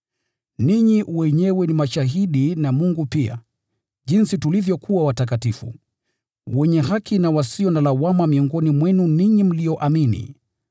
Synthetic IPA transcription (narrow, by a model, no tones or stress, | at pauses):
niɲiwɛɲɛwɛnimaʃaɦiɗinamuŋɡupia̰ | ʄinsitulivjɔkʰuwawatak̬atifṵ | wɛɲɛɦakʰinawasiɔnalawamamiɔŋɡɔnimwɛnuniɲim̩lijɔʔaminḭ